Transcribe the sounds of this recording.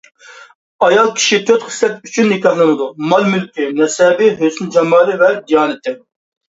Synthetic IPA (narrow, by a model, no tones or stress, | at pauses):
ɑjɑlˠkʲʰi̥ʃit̪ʰøt̪χə̥slɛp̚yt͡ʃʰynːɪkʲɑhlˠɨnɨd̪umɑlˠmylkʲɪnɛsɛbɪɦøsynd͡ʒɑmɑːlˠɨvɛd̪ijɑːnɨt̪ʰɪ